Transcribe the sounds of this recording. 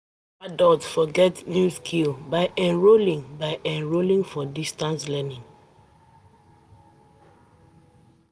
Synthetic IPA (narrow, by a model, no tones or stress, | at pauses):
adɔltfɔɡɛtnĩskʰilbaɪʔɛ̃nɹolĩŋbaɪʔɛ̃nɹolĩŋfɔdistãnslɛnĩŋ